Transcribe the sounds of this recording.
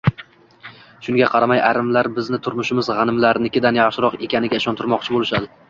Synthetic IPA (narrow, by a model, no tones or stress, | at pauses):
ʃʊŋɡʲaqʰɑɾamajaɾɪmlaɾbɪznɪt̪ʰʊɾmʊʃɪmɪzʁɑnɪmlaɾnɪkʲɪd̪anjɑχʃɪɾɒqe̞kʲʰanɪɡʲaɪʃɒnt̪ʰɪɾmɒqt͡ʃʰɪbolˠɪʃad̪ɪ